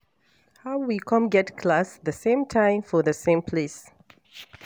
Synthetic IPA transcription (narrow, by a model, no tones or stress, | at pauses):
haʊwikʰʌ̃mɡɛtkʰlasðəsẽmtʰãɪ̃mfɔðəsẽmpʰles